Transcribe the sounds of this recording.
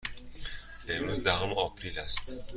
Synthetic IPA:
ʔe̞mɾuzd̪æɦomɒpʰɾilæst̪

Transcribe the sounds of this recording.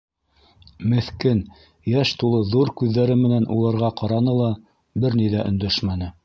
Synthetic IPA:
mɘ̆θkɘn | jæʃt̪ulˠɤðuɾkʉðːæɾɘmɘ̆nænʔṵlˠɤ̆ɾʁɑqɑɾɑnɤlˠɑ | bɘɾnijðæʔɵ̰̆nd̪æʃmænɘ

